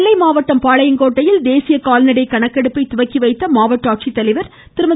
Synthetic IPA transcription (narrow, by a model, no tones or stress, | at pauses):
lːɐɪmaːʋɐʈːɐmpaːɭɐjɪnkoːʈːɐjɪld̪eːsɪjɐkaːlɐnɪɽɐɪkːɐɳɐkːɐɽɯpːɐɪt̪ʊʋɐkːiʋɐɪt̪ːɐmaːʋɐʈːaːʈ̚t͡ʃit̪ːɐlɐɪʋɐɾ | t̪ɪɾɯmɐ